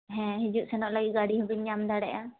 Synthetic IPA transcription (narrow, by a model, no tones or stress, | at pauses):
ɦɛ̃ɦid͡ʒuʔ̪sɛnɔʔlaɡiʔɡaɽiɦɔbiɲɲamd̪aɽɛʔa